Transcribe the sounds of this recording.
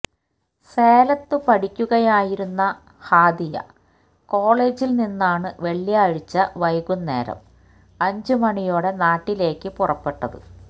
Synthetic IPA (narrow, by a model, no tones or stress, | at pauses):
seːlɐt̪ːɨpɐʈʰikʲːuɣɐjaːjiɾunːɐ | haːd̪ijɐ̰ | ko̞ːɭe̞ːd͡ʑilninːaːɳɨʋe̞ɭːijɐːɻit͡ɕːɐʋɐjɣunːe̞̰ːɾɐ̰m | ɐɲd͡ʑɨmɐɳijoːɽe̞naːʈːile̞ːkːɨpurɐpːe̞ʈːɐðɨ̰